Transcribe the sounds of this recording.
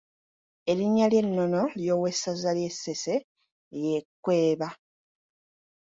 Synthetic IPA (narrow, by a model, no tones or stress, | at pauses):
e̞liɲːalje̞nːo̞no̞ljo̞ːwe̞sːazalje̞sːe̞se̞ | jekːwe̞ːβa